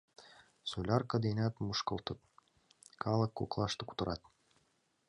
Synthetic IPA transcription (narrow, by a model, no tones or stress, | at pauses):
sulʲɑrkɤd̪inʲæt̪muʃkɤ̆lˠt̪ɤt̪̚ | kʰɑlˠɤkːuklˠɑʃt̪ɤku̥t̪ɤ̆ɾɑ̰t̪̚